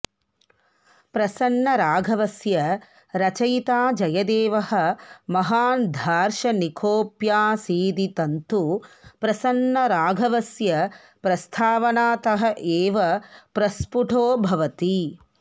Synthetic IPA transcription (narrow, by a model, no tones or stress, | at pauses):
pɾɐsɐnːɐɾaːɡʱɐʋɐsjɐ | ɾɐt͡ʃɐjt̪aːd͡ʒɐjɐd̪eːʋɐɦɐ̆mɐɦaːnd̪ʱaːɾʃɐnikʰoːpjaːsiːd̪it̪ɐnt̪upɾɐsɐnːɐɾaːɡʱɐʋɐsjɐ | pɾɐst̪ʰaːʋɐnaːt̪ɐɦɐʔeːʋɐpɾɐspuʈʰoːbʱɐʋɐt̪i